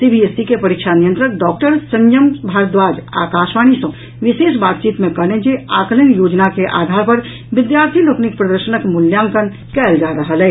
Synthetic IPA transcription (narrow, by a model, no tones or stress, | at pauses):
sibiesikepəɾikʃʰanijə̃nt̪ɾək̚ɖɔːk̚ʈəɾsəɲjəmbʱaːɾət̪̚d̪ʋaːd͡ʒa̰ːkaːʃʋaːɽ̃isɐ̃ | ʋɪʃeːʃbaːt̪t͡ʃiːt̪mẽkəlẽd͡ʒeaːklənjoːd͡ʒnakeʔa̰ːd̪ʱaːɾpəɾ | ʋɪd̪jaːɾt̪ʰiloknik̚pɾəd̪əɾʃənəkmʊljãːŋkən | kɛːld͡ʒaɾəɦəlɦɛː